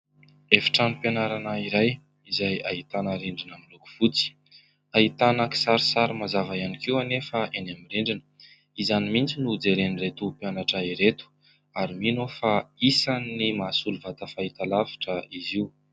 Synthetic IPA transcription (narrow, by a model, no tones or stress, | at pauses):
efi̥ʈ͡ʂanupanaɾanaiɾaj | izajait̪anəɾiɳɖ͡ʐinamiluku̥fut͡si̥ | aɦit̪anaki̥saɾisaɾimazavajanikiwanefaʔenamiɾiɳɖ͡ʐinə | izanimint͡sinud͡zeɾeniret̪upianaʈ͡ʂaiɾet̪u̥ | aɾiminofaisanːimasuluvat̪afait̪alavi̥ʈ͡ʂəiziw